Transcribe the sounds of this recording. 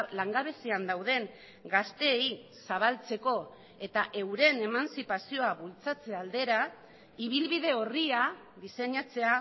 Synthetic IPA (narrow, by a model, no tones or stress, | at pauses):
laŋɡaβe̞siand̪awð̞e̞ŋ | ɡast̪e̞jsaβ̞alt͡se̞ko̞ | e̞t̪aʔe̞wɾe̞ne̞mansipasio̞aβult͡sat͡se̞ald̪e̞ɾa | iβilβið̞e̞oria | ðise̞ɲat͡se̞a